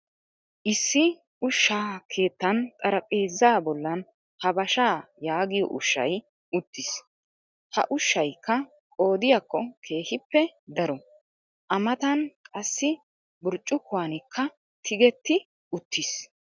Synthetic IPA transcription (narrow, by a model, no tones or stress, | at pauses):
ʔɪsːɪ | ʊʃːaːkʰe̞ːt̪ːɐnt̪ʼɐɾɐpʼe̞ːzːaːbɔlːɐn | hɐbɐʃaːjaːɡɪjɔ̰ʔʊʃːɐ̰j | ʊt̪ːɪs | hɐ̰ʔʊʃːɐjkːɐ | kʼo̞ːd̪ɪjakːɔkʰe̞ːhɪpːɛd̪ɐɾɔ | ʔɐmɐt̪ɐnkʼɐsːɪ | bʊɾt͡ʃʼːʊkːʊwanɪkʰːɐ | t̪ʰɪɡɛt̪ːɪ | ʊt̪ːɪs